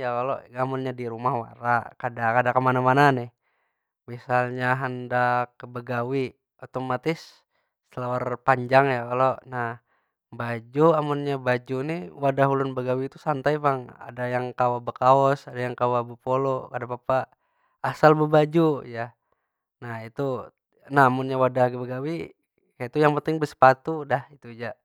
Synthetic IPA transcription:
jakaloamunɲadiɾumahwaɾakadakadakəmanamananɪh | misalɲaɦəndakəbəɡawi | ot̪omat̪ɪsː | əlawarpaɲd͡ʒaŋjakalonah | bad͡ʒuamunɲabad͡ʒunɪwadaɦulʊnbəɡawiːt̪usant̪aimaŋa̰dajaŋkawabəkaɔsadajaŋkawabəpolokadapapaː | salbəbad͡ʒuja | nahit̪u | naamunɲawadahɡəbəɡawi | kajait̪ujaŋpənt̪ɪŋbəsə̥pat̪udahit̪ud͡ʒa

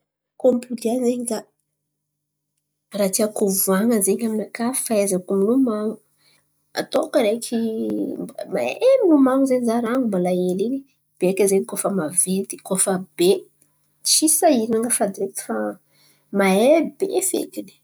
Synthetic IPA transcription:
kompud̪ianzeɲid̪a | rat̪iakuvuaŋəzeɲaminakafi̥faezakuminumaŋu | a̰t̪okəɾekʰi | ma̰eninumaŋuzeɲizaɾaŋumbalaeliɲi | b̥eekʲəzeɲikofəmavent̪i̥kofəb̥e | t͡ʃisaiɾinaŋəfad̪iɾeki̥fa | maebefḛkini̥

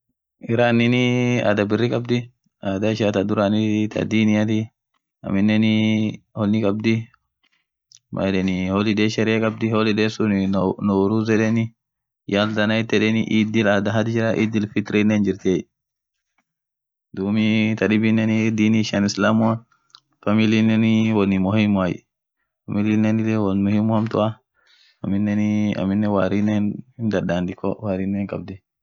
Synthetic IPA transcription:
ɪɾaːnːɪnɪa̰ːd̪ɐbɪrːɪkʼɐbd̪ɪ | aːd̪ɐɪʃat̪ɐd̪ʊɾaːnɪt̪ʰɐ̰d̪iːnɪjat̪ɪ | ɐ̰mɪnːɛnɪhɔlːɪkʼɐb̚d̪ɪ | mʔɐ̰ᶑɛnɪhɔlɪd̪eːʃɛɾɪakʼɐb̚d̪ɪhɔlɪd̪eːsʊnɪnɔwɾuzɛᶑɛnɪ | jald̪ɐnɐɪt̪ːɛᶑɛnɪʔiːd̪ɪlad̪ɐɦɐd̪ɪd͡ʒɪɾɐʔḭːd̪ɪlfɪt̪ɾɪnːɛnd͡ʒɪɾt̪eː | dumitaɗibinɛnidiniʃanislamua | familinɛniwɔnimohimːajḭ | familinɛnidɛwɔnmuhimːuhamtṵa | aminːɛnia̰minːɛwaɾinɛnindadandikɔwaɾinɛnka̰b̚di

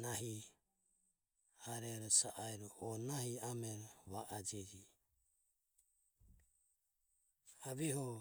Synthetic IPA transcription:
naɦi | aɾɛɾɔsaʔajɾɔʔɔnahiamɛɾβaʔad͡ʒɛd͡ʒi | haβiɦɔ

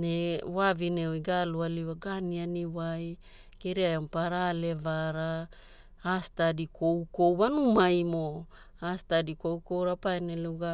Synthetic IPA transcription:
newavinewiɡalualiwaɡanianiwaj | kiɾiajompaɾalevaɾa | astadikʰowkowβanumajmo | astadikowkowɾapajneluɡa

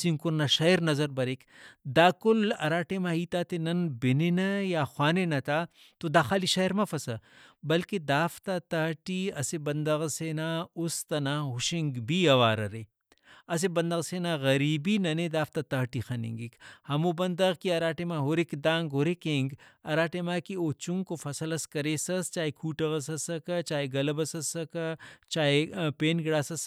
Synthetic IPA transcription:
siŋkʊɾnaʃɐjɾnɐzɐɾbɐɾekd̪aːkʊlɐ̰ɾaːʈemãɦiːt̪aːt̪enɐnbɪninɐjaːxwaːnenɐt̪aː | t̪od̪aːxaːliʃɐjɾmɐfɐsɐbɐlked̪aːft̪at̪ɐɦʈiɐsebɐnd̪ɐɣseːnaʊst̪ɐnaːɦʊʃiŋɡbiɐʋaːɾɐ̰ɾe | ɐs̬ebɐnd̪ɐɣseːnaɣɐɾiːbinɐned̪aːft̪at̪ɐɦʈixɐnḭŋɡikhɐmobɐnd̪ɐɣkiɐɾaːʈemaɦoɾekd̪ãːŋɡɦoɾekẽːŋɡɐɾaːʈemaːkioːt͡ʃʊŋɡkofɐsəlɐskɐɾeːsɐst͡ʃaːekʰuːʈɐɣɐs̬ɐsɐkɐt͡ʃaːeɡɐlɐbɐsɐsɐkɐt͡ʃaːepeːnɡɪɽaːsɐs

